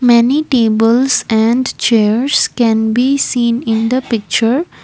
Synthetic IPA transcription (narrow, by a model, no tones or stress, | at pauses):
mɛniʈeːbəlsɛ̃ɳɖt͡ʃeːəɾskɛ̃nbisĩːnɪ̃nd̪əpɪk̚t͡ʃəɾ